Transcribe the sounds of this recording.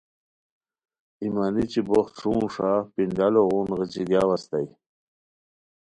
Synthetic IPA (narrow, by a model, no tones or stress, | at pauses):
imanit͡ɕiboχt̪ʂuːʂapind̪aloɣunɣət͡ɕiɡjawast̪aj